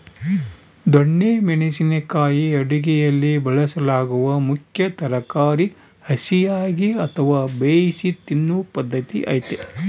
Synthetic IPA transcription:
d̪ɔɳːeːmeɳisinekaːjiɐɽiɡɛjɐlːibɐɭɐsɐlaːɡuʋɐmukʰjɐt̪ɐɾɐkaːɾi | hɐsijaːɡiɐt̪ʰɐʋaːbeːjsit̪inːupɐd̪ːɐt̪ḭʔɐ̰ːjt̪e

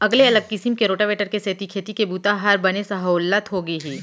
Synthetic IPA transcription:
ɐɡleɐləɡ̚kɪsimkeɾoːʈaʋeːʈəɾkeseːt̪ikʰeːt̪ikebuːt̪aɦaɾbɐnesɐɦəʊlːət̪ɦoɡɐiɦiː

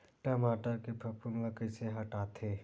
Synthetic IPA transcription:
ʈɐmaːʈakepʰɐpuŋɡakəseɦɐʈaːt̪ʰeː

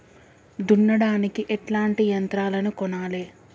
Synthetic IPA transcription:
d̪unːɐɽaːnikiʔɛʈlaːɳʈijɐnt̪ɾaːlɐnukɔnaːleː

